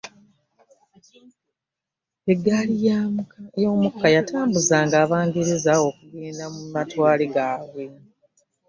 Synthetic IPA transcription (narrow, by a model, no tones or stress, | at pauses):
eɡːalijajo̞ːmukːajatʰaːmbuzaːŋɡaːβaːŋɡiɾizao̞kuɡeːnamumatwaːliɡaːβwe̞